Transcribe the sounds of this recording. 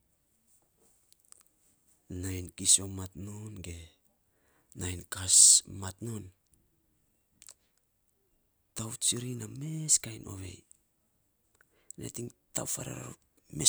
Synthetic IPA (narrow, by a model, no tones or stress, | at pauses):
najnkiso̞matnonɡe̞ | najnkasmatno̞n | tawt͡ʃiɾiname̞skajnʔo̞̰βe̞̰j | nḛtiŋta̰wfaɾa̰ɾa̰ | me